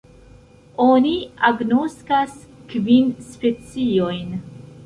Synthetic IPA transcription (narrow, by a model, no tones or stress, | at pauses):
oniaɡnoskaskvinspe̞t͡siojn